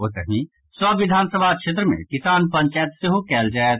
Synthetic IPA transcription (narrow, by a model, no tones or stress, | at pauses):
ot̪əmĩ | swɐʋɪd̪ʱaːnsəbʱakʃeːt̪ɾəmḛ̃kɪsaːnpɐ̃ɲʲt͡ʃaːjət̪seɦokɛːld͡ʒaːe